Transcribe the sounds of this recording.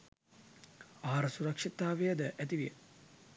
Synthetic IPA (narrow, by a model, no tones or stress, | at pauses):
aːaɾɐsuɾɐkʂit̪aːʋejəd̪əʔæt̪iʋijə